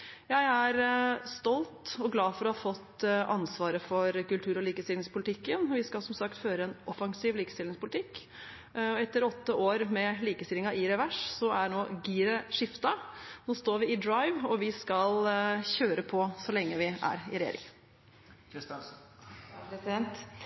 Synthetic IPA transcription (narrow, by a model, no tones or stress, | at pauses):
jæɪæɾst̪ɔlt̪ɔɡlɑːfɔɾɔhɑfɔt̪ːʔɑnsʋɑːɾəfɔɾkʉlt̪ʰʉːɾɔliːkəst̪ɪlɪŋspʰʊlɪt̪ʰɪkːənʋɪskɑlsɔmsɑkt̪føːɾəɛnʔɔfɑŋsiːʋliːkəst̪ɪlɪŋspʰʊlɪt̪ʰɪkː | ɔɛt̪ːəɾɔt̪ːəʔoːɾmɛliːkəst̪ɪlɪŋɑʔiːɾɛʋæʂsɔæɳoːɡiːɾəʂɪft̪ɑnoːst̪oːɾʋɪɪd̪ɾɑɪʋɔʋɪskɑlçøːɾəpʰɔsɔlɛŋːəʋɪʔæ̰ɾɪɾɛjḛːɾɪ̰ŋ | kʰɾɪst̪ɑ | pɾɛsɪd̪ɛnt̪